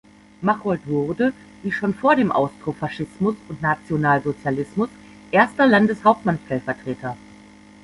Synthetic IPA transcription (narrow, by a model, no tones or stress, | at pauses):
maχɔltvʊʁdə | v̥iːʃoːnfoːɐɾeːmʔa̰ʊstʁ̥ofaʃɪsmʊsʊntnat͡sjonaːlzot͡sjalɪsmʊs | ʔeːɐstɐlandəshaʊp̚tmanʃtɛlfɛɐtʁ̥eːtʰɐ